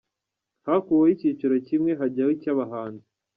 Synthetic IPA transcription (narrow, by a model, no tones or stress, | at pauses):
hakuwoicit͡ʃoɾocimŋeɦaɟawicaβaɦaːnzi